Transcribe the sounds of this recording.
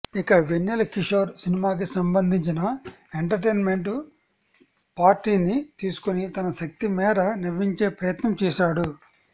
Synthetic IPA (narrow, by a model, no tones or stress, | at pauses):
ikɐʋenːilɐkiʂɐːɾsinimaːk̬isɐmbɐnd̪ʱiɲt͡ʃinɐ | e̞ɳʈɐɾʈeːnme̞ɳʈ | paːɾʈːiːnit̪iːsu̥kunit̪ɐnɐʃɐk̚t̪imɛːɾɐniɾʋiɲt͡ʃeːpɾɐjɐt̪nɐmt͡ʃɛːʃaːɽu